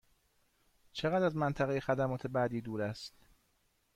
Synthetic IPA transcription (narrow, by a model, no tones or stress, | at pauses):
t͡ʃʰeɣæd̪æzmænt̪ʰæɣejexæd̪æmɒːt̪ʰe̞bæːd̪iːd̪uːɾæst̪